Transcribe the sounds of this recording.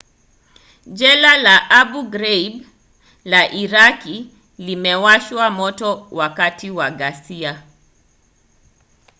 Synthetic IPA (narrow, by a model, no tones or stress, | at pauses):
d͡ʒɛlalaʔaɓuɡɾɛib | laʔiɾaki | limɛwaʃwamɔtɔwakatiwaɡasia